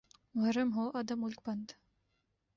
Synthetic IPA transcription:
ʋɐɾəmɦoːʔɐd̪əmːʊlk̚bɐnd̪

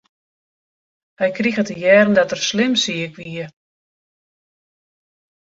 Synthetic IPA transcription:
hɛjkrixətəjɛːrn̩dɔtərslɪmsiəkʋiə

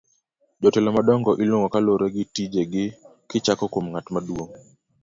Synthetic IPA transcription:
d͡ʒɔtɛlɔmadɔŋɡɔʔilwoŋɡɔkaloɾeɡɪtid͡ʒeɡɪ | kɪt͡ʃakɔkomŋatmadwoŋ

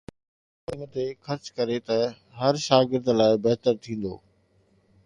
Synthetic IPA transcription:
ʊnt̪exʰɐɾt͡ɕkɐɾet̪ɐ | ɦɐɾʃaːɡɪɾd̪laːɪbɐɦt̪əɾt̪ʰĩːn̆d̪o̰ː

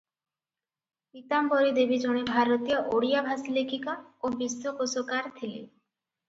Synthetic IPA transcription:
it̪amboɾid̪ebid͡ʒɔɽ̃ebʱaɾot̪ijɔʔoɽijabʱasilekʰikaobisokosokaɾt̪ʰilḭ

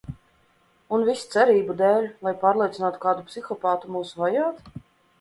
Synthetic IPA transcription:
unvist̪sɛɾiːbud̪ɛːlʲlˠajpaːɾlʲˠiɛt̪sʲnaːt̪u̥kaːd̪upsʲixɔpaːt̪umuːsuvajaːt̪

